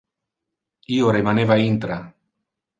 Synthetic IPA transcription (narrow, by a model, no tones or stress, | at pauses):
ioɾemaneβaint̪ɾa